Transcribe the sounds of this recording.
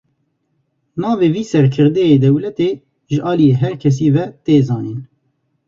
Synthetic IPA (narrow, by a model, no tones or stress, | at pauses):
nɑːveːviːsɛɾkʰɨɾd̪ɛjeːd̪ɛwlɛt̪eː | ʒəʔɑːlijeːɦɛɾkʰɛs̬iːvɛt̪eːzɑːniːn